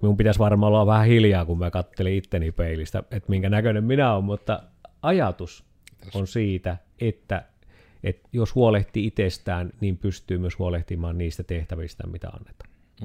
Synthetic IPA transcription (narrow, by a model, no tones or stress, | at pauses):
miumpit̪æsʋɑrmɑolɑʋʋæhæhiljɑːkumiækɑt̪ːeliit̪ːenipeˑilist̪æ̰et̪miŋkænækønemminæommut̪ːɑ | ɑjɑt̪us | onsiːt̪æ | ʔet̪ːæ | et̪joshuoleht̪iit̪est̪æːnniːmpyst̪yːmyøshuoleht̪imɑːnniːst̪æt̪eht̪æʋist̪æ̰mit̪æ̰ɑ̰nːet̪ɑ̥n